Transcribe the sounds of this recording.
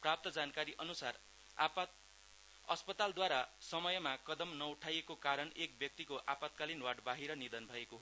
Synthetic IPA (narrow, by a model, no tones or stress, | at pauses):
prap̚t̪ʌd͡zankaɾiʔʌnusar | p | ʌspʌt̪ald̪waɾasʌmʌjʌmakʌd̪ʌmnʌuʈʰajekokaɾʌnek̚bjʌk̚t̪ikoʔapat̪̚kalinwaɖbaɦiɾʌnid̪ʌnbʱʌekoɦ